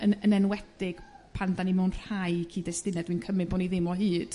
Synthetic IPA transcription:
ənənɛnwɛd̥ɪɡ̥ | pʰandanimawnr̥hajkʰiːdɛstɪnɛdwinkʰəmɨdboːniðɪmɔɦɨːd̥

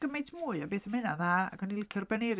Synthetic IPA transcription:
ɡ̥əmejtʰmuːɨabeːθəmhɪnaðaa̰ɡɔnilɪkʰɪrbɛneɾ

